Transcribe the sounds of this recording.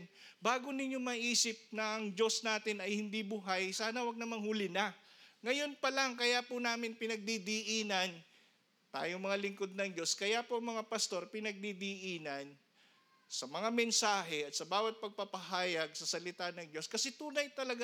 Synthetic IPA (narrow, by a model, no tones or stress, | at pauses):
nbaːɡonɪɲjomɐʔiːsɪp̚nɐʔɐŋd͡ʒo̞snaːt̪ɪnɐjhɪnd̪ibʊɦajsaːnɐwɐɡ̚nɐmaŋhʊlɪnaŋɐjo̞npɐlaŋkɐjapʊnaːmɪnpɪnɐɡ̚d̪id̪iʔiːnɐn | t̪a̰ːjoŋmɐŋalɪŋkod̪̚nɐŋd͡ʒo̞skɐjapoʔɐŋmɐŋapɐst̪o̞ɾpɪnɐɡ̚d̪id̪iʔiːnɐn | sɐmɐŋamɛnsaːɦɛʔɐt̪̚sɐbaːwɐt̪̚pɐɡ̚pɐpɐɦaːjɐɡ̚sɐsɐlɪt̪anɐŋd͡ʒo̞skɐsɛt̪uːnɐjt̪ɐlɐɡa